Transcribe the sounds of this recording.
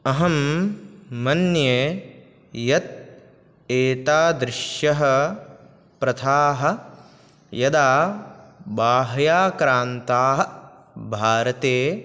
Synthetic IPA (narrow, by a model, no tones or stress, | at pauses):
ɐɦɐmː | ɐnje | jɐt̪̚ | eːʈ̪aːd̪ɾɪʃjɐɦɐ̆ | pɾɐt̪ʰaːɦɐ̆ | jɐd̪aː | baːɦɐjaːkɾaːnt̪aːɦɐ̆ | bʱaːɾɐt̪eː